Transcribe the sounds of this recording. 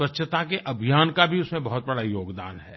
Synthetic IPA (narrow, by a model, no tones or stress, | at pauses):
ʋɐtːʃʰət̪akeʔɐbʱijaːnkabʱiʊsmẽbɐɦʊt̪̚bɐɽajoːɡd̪a̰ːnɦɛː